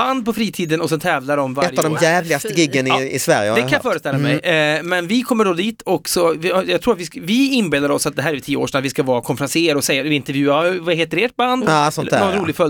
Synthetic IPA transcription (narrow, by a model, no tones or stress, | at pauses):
and̪̚pʰɔfɾiːt̪ʰiːd̪ənɔsɛnt̪ʰɛːvlaɖɔmvaɛɾj̪ːavd̪ɔmjæːvlɪɡast̪əɡɪɡːənɪɪsvæ̰ɾjəd̪ɛkanjafœːɾəst̪ɛlːaamɛjmɛnvɪkʰɔmːəɖɔd̪iːt̪ʰɔksɔvɪjɑɡt̪ʰɾuːat̪ʋɪsvɪɪnbeːld̪aɾɔsːat̪̚d̪ɛɦæːɾɛtʰiːəo̰ːʂɛnat̪vɪskavɑːɾakʰɔnfɛɾanseːəɾɔsɛjːaɪnt̪əɾjʉ̟ːavaɦeːt̪əɾeːʈ̚band̪sɔnːnɔnɾuːlɪɡfœl